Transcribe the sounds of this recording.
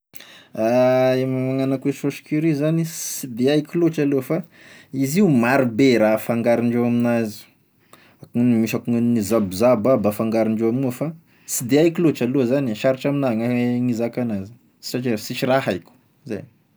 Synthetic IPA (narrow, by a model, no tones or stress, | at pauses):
aemamaŋanakueʃoʃi̥kuɾizanisid̪eajkiloʈ͡ʂalofa | iziumaɾibeɾafaŋɡaɾiɳɖ͡ʐewaminazi̥ | akuŋnmiʃakuŋanizabuzababafaŋɡaɾiɳɖ͡ʐewamnufa | sid̪eajkiloʈ͡ʂalozaniʃaɾiʈ͡ʂaminaŋaŋizakanazi̥ | i̥ʈ͡ʂat͡ʃesit͡ʃiraɦajkʲu̥ | za̰j